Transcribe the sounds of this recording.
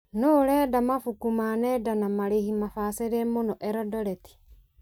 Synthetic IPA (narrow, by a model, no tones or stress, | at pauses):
noːɾɛːdamafukumanɛdanamaɾehimafaseɾemonɔʔɛɾɔdɔɾɛti̥